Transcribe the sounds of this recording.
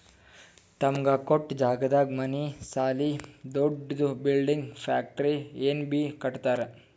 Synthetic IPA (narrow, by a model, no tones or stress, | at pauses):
t̪ɐmɡakoʈːd͡ʒaːɡɐd̪aːɡmɐnisaːlid̪oɖd̪ubilɖiŋɡpʰaːk̚ʈɐɾieːnbikɐʈt̪aːɾe